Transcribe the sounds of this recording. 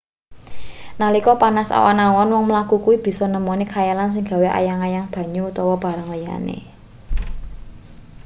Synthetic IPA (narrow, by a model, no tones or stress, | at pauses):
nalikɔpanasa̰wa̰nawanwɔŋməlakukuwib̥i̤sɔnəmonikʰajalans̬ɪŋɡa̤weʔa̰jaŋajaŋb̥ä̤ɲuut̪ɔwɔb̥a̤ɾaŋlija̰nḛ